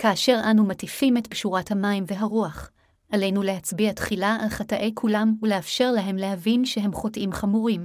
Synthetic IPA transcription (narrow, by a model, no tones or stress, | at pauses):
kaːʃe̞ʁʔanumatifimetbʃuʁathamaimveɦaʁuaχ | ʔale̞jnule̞ɦat͡sbiatχilaalχataʔe̞jkʰulamuleafʃe̞ʁlaɦe̞mleɦavinʃeɦe̞mχo̞tʔimχamuʁim